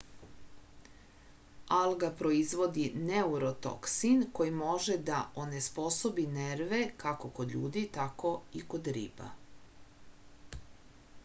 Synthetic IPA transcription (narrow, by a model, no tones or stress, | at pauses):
alˠɡapɾo̞izʋo̞d̪ineuɾo̞t̪o̰ksinko̞jimo̞ʒed̪aʔo̞ne̞spo̞so̞bineɾʋe̞kako̞kod̪ʎuːd̪it̪ako̞iko̞d̪ɾḭːba̰